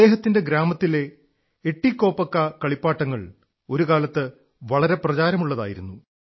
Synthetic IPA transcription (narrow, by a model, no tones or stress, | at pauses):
e̞ːɦɐt̪ːinde̞ɡɾaːmɐt̪ːile̞ː | ʈːikːo̞ːpːɐkːɐkɐɭipːaːʈːɐŋːɐɭ | o̞ɾukaːlɐt̪ːɨ | ʋɐɭɐɾe̞prɐt͡ɕaːɾɐmuɭːɐða̰ːjiɾunːu